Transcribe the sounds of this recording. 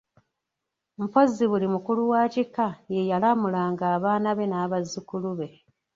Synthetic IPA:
m̩po̞zːiβulimukuluwaːcikːaje̞jalamulaŋɡaːβaːnaβe̞naːβazːukuluβe̞

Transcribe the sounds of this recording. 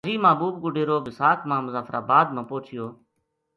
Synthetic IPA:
d͡ʒiːmaːbuːbɡʊɖʱeːɾoːbɪsaːkʰmãːmʊzaːfɾʔa̰ːbaːd̪̚mãːpoːt͡ʃʰɪjoː

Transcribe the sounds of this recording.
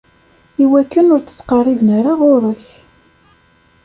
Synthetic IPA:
iwækːənʊɾt͡sə̥sqɑrˤːivnəɾaʁʊɾəç

